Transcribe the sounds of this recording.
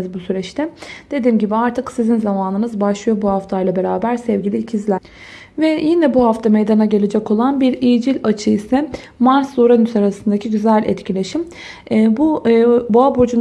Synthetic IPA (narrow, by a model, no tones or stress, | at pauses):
zbusyɾɛt͡ʃt̪ʰɛd̪̥e̞d̪iːmɟibiaɾt̪ʰɯksizinzamaːnɯnɯzbaʃlˠɯjobuhaft̪ʰajlˠabe̞ɾaːbæɾsɛvɟilʲiːcʰizlʲæ | vɛjinɛbuhaft̪ʰamejd̪anaɟe̞lʲe̞d͡ʒɛco̞lˠanbiɾijid͡ʒilʲat͡ʃʰɯisɛ | maɾsuɾanysaɾasɯnd̪acʰiɟyzɛlʲʔɛ̰t̪cʰilʲe̞ʃimː | buboabod͡ʒun